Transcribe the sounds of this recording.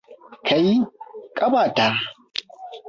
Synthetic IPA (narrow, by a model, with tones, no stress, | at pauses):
kʰa˨ji˦kʼɐ˦baː˨taː˦